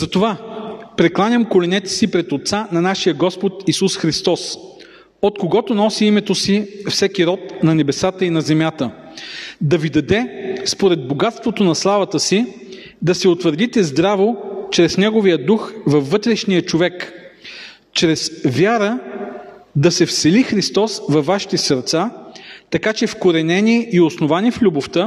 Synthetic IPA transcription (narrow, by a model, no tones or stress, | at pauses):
zɐt̪ovapɾɛklˠanʲɐmkolɛnɛt̪ɛ̥sipɾɛt̪ot̪sanɐnaʃijəɡɔspot̪isusxɾist̪ɔs | ot̪koɡɔt̪onɔsiimɛt̪osifsɛk̟iɾɔt̪nɐnɛbɛsat̪əinɐzɛmjat̪ə | d̪ɐvid̪ɐd̪ɛspoɾɛd̪̚boɡat̪st̪vot̪onɐslˠavɐt̪əsi | d̪ɐsɛot̪vəɾd̪it̪ɛzd̪ɾavot͡ʃɾɛsnɛɡovijəd̪uxvɐfːɤt̪ɾɛʃnijət͡ʃovɛk | t͡ʃɾɛsvʲjaɾə | d̪ɐsɛfsɛlixɾist̪ɔsvɐfːaʃi̥t̪ɛsəɾt̪sat̪ɐkat͡ʃɛfkoɾɛnɛniːosnovaniflʲuboft̪ə